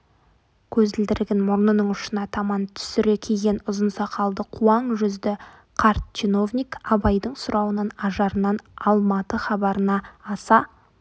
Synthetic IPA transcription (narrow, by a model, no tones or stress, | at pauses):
kʲʰɵzd̪ɪld̪ɪɾɡʲenmʊɾnənəɴʊʃənɑt̪ʰɑmɑnt̪ʰʏ̥sɪɾe̞kʲʰejɡʲe̞nʊzənsɑqʰɑlˠd̪əqʰuɑɴʒʏzd̪ɪ | qʰɑɾt̪̚t͡ʃʰino̞vnʲikɑbɑjd̪əɴsʊɾɑwənɑnɑʒɑɾənɑnɑlˠmɑt̪əχɑbɑɾənɑːsɑ